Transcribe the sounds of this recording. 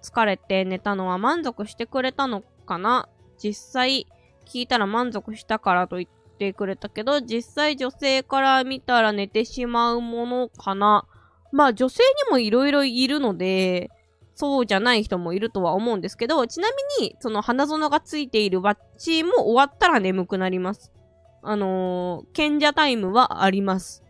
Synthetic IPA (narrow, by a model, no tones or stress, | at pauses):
t͡sɨ̥kaɾe̞t̪e̞ne̞t̪ano̞βamãnd͡zo̞kɯ̟ɕi̥t̪e̞kɯ̟ɾe̞t̪ano̞ | kana | d͡ʑisːai | kʲiːt̪aɾamãnzo̞kɯ̟ɕi̥t̪akaɾat̪o̞it̪ːe̞kɯ̟ɾe̞t̪ake̞d̪o̞d͡ʑisːaid͡ʑo̞se̞ːkaɾamʲit̪aɾane̞t̪e̞ɕimaɯ̟mo̞no̞kʰana | maːd͡ʑo̞se̞ːɲ̟imo̞iɾo̞iɾo̞iɾɯ̟no̞d̪e̞ | so̞ːʑanaiçi̥t̪o̞mo̞iɾɯ̟t̪o̞βao̞mo̞ɯ̟̃nd̪e̞sɨ̥ke̞d̪o̞t͡ɕinamʲiɲ̟iso̞no̞hanazonoɡat͡sɨit̪e̞iɾɯ̟βa | t͡ɕimo̞ʔːβat̪ːaɾane̞mɯ̟kɯ̟naɾʲimasɨ̥ | ano̞kẽ̞ɲ̟d͡ʑat̪aimɯ̟βaʔaɾʲimasɨ̥